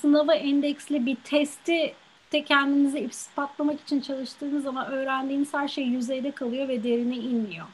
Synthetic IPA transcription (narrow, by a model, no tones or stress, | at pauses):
sɯnavaʔɛnd̪ɛcslʲibit̪ʰɛst̪ʰi | t̪ʰɛcʰænd̪imiziifsspat̪lˠamaki̥t͡ʃʰint͡ʃʰalˠɯʃt̪ʰɯːnɯzːamanø̞ːɾænd̪iːmishæɾʃejːyzejd̪ɛkʰalˠɯjo̞vɛd̪e̞ɾinɛinːʲijo